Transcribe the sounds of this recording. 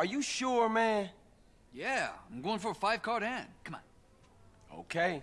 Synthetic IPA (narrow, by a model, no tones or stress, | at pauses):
ə˞jɨʃʊɹmæ̃n | jæã̰ɪ̃mɡoʊɪ̃ŋfə˞faɪv̥kʰɑɹɾæ̃n̥kʰʌmã̰n | o̰ʊkʰeɪ